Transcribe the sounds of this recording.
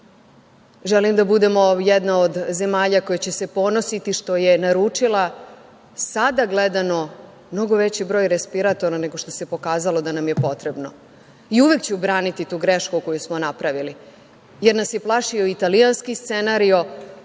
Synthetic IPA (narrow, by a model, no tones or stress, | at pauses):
ʒelimd̪abud̪e̞mo̞jed̪naod̪ze̞maːʎako̞jet͡ɕese̞po̞no̞sit̪iʃt̪o̞je̞naɾuːt͡ʂilˠa | sad̪aɡled̪ano̞ | mno̞ɡo̞ʋe̞t͡ɕibɾo̞ːjɾespiɾat̪o̞ɾane̞ɡo̞ʃt̪o̞sepo̞kaːzalo̞d̪anamjepo̞t̪ɾe̞bno̞ | iuʋekt͡ɕeubɾaːnit̪it̪uːɡɾeʃkuko̞jusmonapɾaʋili | jeɾnasje̞plˠaʃioit̪alijanskist̪senaɾio̞